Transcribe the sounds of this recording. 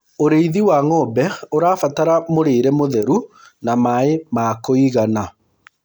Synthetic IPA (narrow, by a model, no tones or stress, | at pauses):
oɾeiðiwaŋɔbɛoɾaːfataɾamoɾeːɾɛmoðɛɾu | namaemakoiɣana